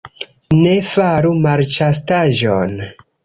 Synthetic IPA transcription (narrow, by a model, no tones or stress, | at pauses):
ne̞faɾumaɾt͡ʃastaʒon